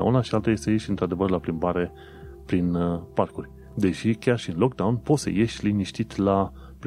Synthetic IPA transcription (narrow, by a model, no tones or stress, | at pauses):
a̰unaʃialt̪aje̞st̪ejeʃʲɨnt̪ɾad̪e̞vərlaplimbaɾe̞ | pɾinparkurʲ | d̪e̞ʃikʲarʃiɨnlo̞k̚d̪awunpot̪sə̰je̞ʃʲliniʃt̪it̪ʲla | p